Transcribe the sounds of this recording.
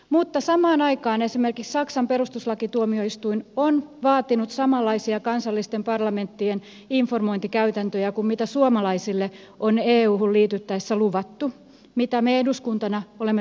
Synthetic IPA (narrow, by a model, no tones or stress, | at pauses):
mut̪ːɑsɑmɑːnɑikɑːnesimerkikssɑksɑmperust̪uslɑkit̪uomioist̪uinonʋɑːt̪inut̪sɑmɑlːɑisiɑkɑnsɑlːist̪empɑrlɑment̪ːien | iɱformoint̪ikæyt̪ænt̪øjækummit̪æsuomɑlɑisilːe | ʔoneːuːhulliːt̪yt̪ːæesːæluʋɑt̪ːu | mit̪æmeeduskunt̪ɑnɑolemː